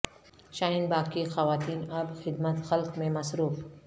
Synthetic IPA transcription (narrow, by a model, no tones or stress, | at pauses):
ʃaːɦɪnbaːkixɐʋaːt̪iːnɐbxɪd̪mət̪xɐlqmẽmɐsɾuːf